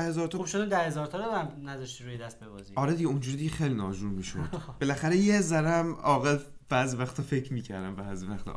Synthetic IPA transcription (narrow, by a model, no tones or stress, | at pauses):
æhezɒːɾt̪ʰɒubʃud̪ud̪æhezɒːɾt̪ʰɒɾɔæmnæzɒʃt̪iɾujed̪æst̪̚bebɒ̰ːziɒɾed̪iɟeund͡ʒuːɾid̪iɟexejlinɒːd͡ʒumiːʃo̰d̪̥b̥elæxæɾejezæɾæmɒːɣelbæːzivæxt̪ʰɒfecʰɾmiːcʰæɾd̪æmbæːzivæxt̪ʰɒ̰